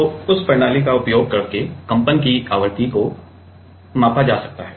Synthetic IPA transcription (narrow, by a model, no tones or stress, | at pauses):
t̪oːʊspɛːɽ̃aːlikaʊpjoːɡ̚kɐɾkekɐ̃mpənkiaːʋəɾt̪iko | mãːpad͡ʒaːsɐk̚t̪aɦɛː